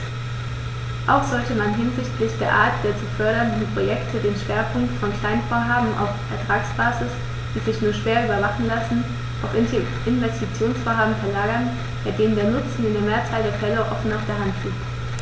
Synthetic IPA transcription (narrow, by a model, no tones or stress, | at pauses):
ʔaʊxz̥ɔltəmanɦɪnzɪçtlɪçd̥eːɐʔaːɐt̚d̥eːɐt͡suːfœɐɾɐndn̩pʁ̥ojɛktʰədeːnʃv̥eːɐpʰʊŋktfɔnkl̥aɪnfoːɐɦaːbm̩ʔa̰ʊffɛɐtʁ̥aːksb̥aːzɪs | d̥iːzɪçnuːɐʃv̥eːɐʔyːbɐvaχn̩lasn̩ | ʔaʊf | ɪnvɛstit͡sjoːnsfoːɐɦaːbm̩fɛɐlaːɡɐn | b̥aɪdeːnəndeːɐnʊt͡sn̩ɪndeɐmeːɐt͡saːldeːɐfɛləʔɔ̰fn̩aʊfd̥eːɐɦantfiːp